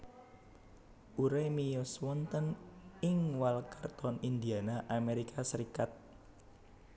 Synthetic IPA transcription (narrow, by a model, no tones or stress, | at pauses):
ʔuɾemijɔswɔnt̪ənɪŋwalkart̪ɔnind̪ianaʔameɾikʰasəɾikat̪̚